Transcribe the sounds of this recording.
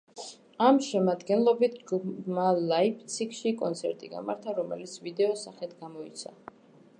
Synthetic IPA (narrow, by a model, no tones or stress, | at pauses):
amʃɛmad̪ɡɛnlˠɔbit̪ʰɡmalaip̚ʰt̪sʰikʰʃikʼɔnt̪sʰɛ̰ɾt̪ʼiɡa̰ma̰ɾt̪ʰaɾɔmɛ̰lit̪sʰvid̪ɛɔsaχɛt̪ʰɡamɔḭt̪sʰa̰